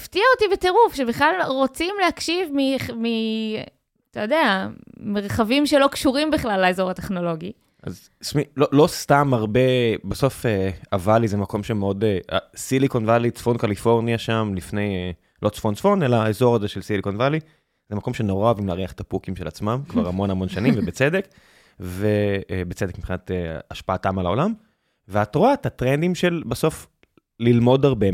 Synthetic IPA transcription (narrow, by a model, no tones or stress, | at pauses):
aft̪iaotibete̞ʁufʃebiχlalʁo̞t͡simlehakʃivmimi | at̪ajodeame̞ʁχavimʃelo̞kʃuʁimbiχlalːaezo̞ʁat̪e̞χno̞lo̞ɡi | a̰z | smilolost̪amaʁbe̞baso̞feavalizemako̞mʃemeo̞dea̰silikonvalit͡sfonkalifo̞ʁniaʃamlifne̞j | lʔot͡sfont͡sfo̞ne̞laːezo̞ʁazeʃelsilikonvali | z̥emako̞mʃe̞no̞ʁaoavimleaʁiaχe̥t̪apukimʃe̞lat͡smamkvaʁamo̞namo̞nʃanimvebet͡sede̞k | vebet͡sedekmipχinat̪eaʃpaːtamalao̞lam | veatʁoatatʁend̪imʃe̞lbaso̞f | lilmo̞daʁbe̞